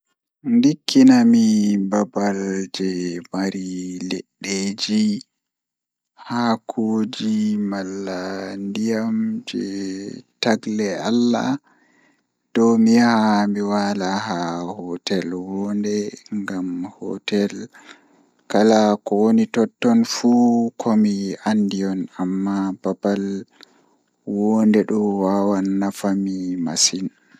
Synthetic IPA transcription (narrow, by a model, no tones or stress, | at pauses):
ndikʰːinamibabald͡ʒɛmaɾilḛɗːed͡ʒi | hakʰoːd͡ʒimalːandijamd͡ʒɛ̰ | taɡlɛa̰lːa̰ | d̥ɔwmihaamiwalaɦahɔtɛlwɔndɛŋɡamhɔ̰tɛl | kalakɔwonitɔtːɔnfukʰɔmiandiɔnamːababal | wɔndɛɗɔwawanːafamima̰sin